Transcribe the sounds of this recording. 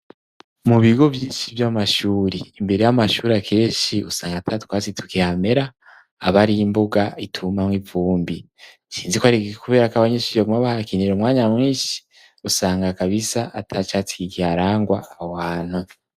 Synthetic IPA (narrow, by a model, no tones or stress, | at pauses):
muβiɡo̞vjiːʃivjamaʃuːɾeːmbe̞ɾe̞jamaʃuːɾakʰe̞ːʃiusaːŋɡatʰatkwaːt͡sitʰu̥kihame̞ɾaː | βaɾiimboɡaitʰumamwivuːmbi | t͡ʃiːnzikwaɾikuβe̞ːɾakaβaɲeʃiβaɡumaβahakiniɾomŋaːɲamŋiːʃi̥ | usaːŋɡakaβisaʔatʰat͡ʃat͡si̥kikihaɾaːŋɡwaahohaːn̥hu